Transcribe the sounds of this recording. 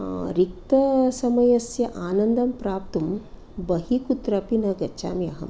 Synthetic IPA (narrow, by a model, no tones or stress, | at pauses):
ɾik̚t̪ɐsɐmɐjɐsjɐʔaːnɐnd̪ɐmpɾaːp̚t̪um | bɐɦikut̪ɾɐpinɐɡɐt͡ʃa̰ːmjɐ̰ɦɐ̰m